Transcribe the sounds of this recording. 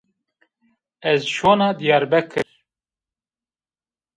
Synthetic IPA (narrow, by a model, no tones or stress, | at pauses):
ɛzʃoːnɑːd̪ijɑːɾbɛkʰɨɾ